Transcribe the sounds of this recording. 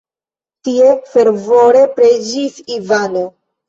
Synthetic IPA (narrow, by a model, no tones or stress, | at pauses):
tiefe̞ɾvo̞ɾe̞pɾed͡ʒisivano